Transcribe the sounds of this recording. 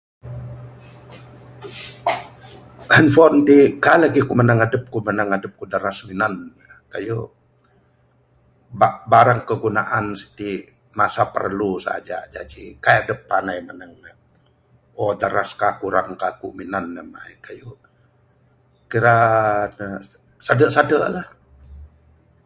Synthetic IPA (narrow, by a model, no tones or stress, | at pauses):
ənfɔnt̪ikalaɡikumənaŋadəp̚kumənaŋadəp̚kudəɾasminanːə | kaju | babaɾaŋkəɡunaʔansi̥t̪i | masapə̰rlusa̰d͡ʒa̰d͡ʒa̰d͡ʒikajadəpːanajmanaŋnə | odaɾaskakuɾaŋkakuminanːəma̰jkaju | kiɾanə | sadəʔsadəʔlah